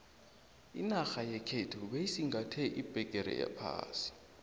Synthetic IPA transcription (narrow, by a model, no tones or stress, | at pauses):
ḭnaxajɛkʰetʰuɓejsiŋɡʱatʰɛʔib̥ʱɛk̬ʼɛɾɛ̰ja̰pʰa̰ːsi̥